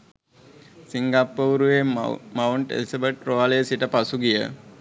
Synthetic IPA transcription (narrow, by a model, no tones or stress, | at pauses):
siŋɡapːəuɾuʋemawɳʈḛlisabəʈroʋalejəsiʈəpasuɡijə